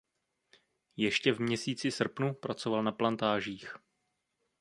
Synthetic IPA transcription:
jɛʃcɛvmɲɛsiːt͡sɪsr̩pnupɾat͡sovalnaplant̪aːʒiːx

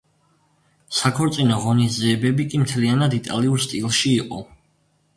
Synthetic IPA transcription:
sakʰɔɾt̪sʼinɔʁɔnizɛːbɛbikʼimt̪ʰɛlianad̪it̪ʼa̰liuɾst̪ʼilˠʃiːqʼɔ

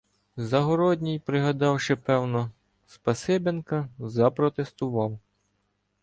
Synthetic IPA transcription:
zɐɦɔɾɔd̪ʲnʲijpɾɪɦɐd̪ɑwʃɪpɛwnɔ | spɐsɪbenkɐzɐpɾɔt̪est̪ʊʋɑw

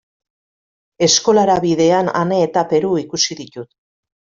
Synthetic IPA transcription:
e̞sko̞laɾaβiðe̞ana̰ne̞ːt̪ape̞ɾuikusiðit̪ut̪

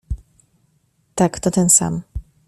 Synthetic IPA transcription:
t̪akt̪ɔt̪ɛnsa̰m

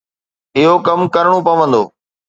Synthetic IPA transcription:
ɪɦokɐmkəɾɽ̃opɐʋə̃nd̪oː

